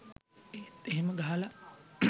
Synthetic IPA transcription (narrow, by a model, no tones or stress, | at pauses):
et̪eɦeməɡaɦala